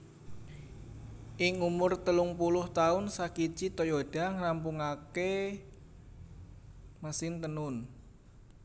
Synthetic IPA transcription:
ʔɪŋumʊrt̪əlʊŋpulʊht̪aʊnsakit͡ʃit̪ojoɖ̥aŋrampuŋake | məsɪnt̪ənʊn

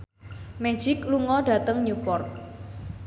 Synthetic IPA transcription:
me̥d͡ʒ̥ɪkluŋɔɖa̤t̪əŋɲupɔrt̪̚

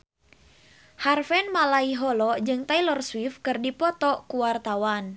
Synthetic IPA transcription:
harfɛnmalaiɦɔlɔd͡ʒɨŋt̪ailɔrswifkɨrdipɔt̪ɔkuwart̪awan

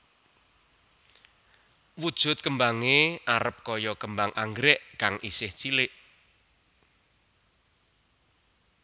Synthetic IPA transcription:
wud̥ʒ̥ʊ̤t̪̚kəmbaŋeʔaɾəp̚kɔjɔkəmbaŋʔaŋɡɾɛʔkaŋʔisɪht͡ʃilɪʔ

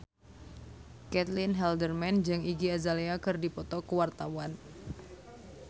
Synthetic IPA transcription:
kɛt̪linɦɛldərmɛnd͡ʒɨŋiɡiazaleakɨrdipɔt̪ɔkuwart̪awan

